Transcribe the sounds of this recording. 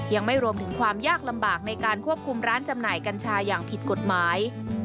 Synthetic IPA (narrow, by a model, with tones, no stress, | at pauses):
ja˧ŋma˥˩jɾu˧əmt̪ʰɯ˩˦ŋkʰwaː˧mjaː˥˩k̚la˧mbaː˨˩k̚na˧jkaː˧nkʰu˥˩əp̚kʰu˧mɾaː˦˥nt͡ɕa˧mnaː˨˩jka˧nt͡ɕʰaː˧jaː˨˩ŋpʰi˨˩t̪̚ko˨˩t̪̚maː˩˦j